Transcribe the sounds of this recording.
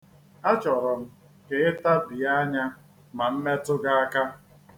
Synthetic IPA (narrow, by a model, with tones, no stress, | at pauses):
a˦t͡ʃɔ˨ɾɔ˨m̩˦ | ke˦ɪ˦ta˦bɪ˨a˦ɲa˦ | ma˨m̩˦me˦tʊ˦ɡa˦a˦ka˦